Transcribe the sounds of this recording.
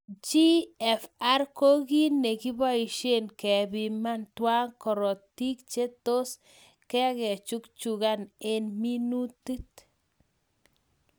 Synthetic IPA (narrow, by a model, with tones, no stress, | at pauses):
t͡ʃi˦ɛ˨fa˦rko˦ɣi˦ne˨ki˦ba˦i˨ʃe˦˨nkɛ˨bi˨ma˦ntwa˦ŋkɔ˨ɾɔ˨ti˦k̚t͡ʃe˦to˦s | kɛ˦kɛ˨t͡ʃu˦kt͡ʃu˨ɣa˦ne˦nmi˦nu˦ti˦t